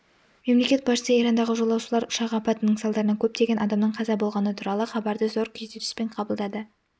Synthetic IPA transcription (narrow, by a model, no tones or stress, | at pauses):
memle̞kʲe̞t̪̚bɑʃə̥səijɾɑnd̪ɑʁəʒo̞lˠɑwʃəlˠɑɾʊʃɑʁəːpɑt̪ənəɴsɑlˠd̪ɑɾənɑkʲʰɵp̚t̪e̞ɡʲe̞nɑd̪ɑmnəɴqʰɑzɑbo̞lˠʁɑnət̪ʰuɾɑlˠəχɑbɑɾd̪əzo̞ɾkʲʰɵd̪eɾɪ̥spe̞ɴqʰɑbəlˠd̪ɑd̪ə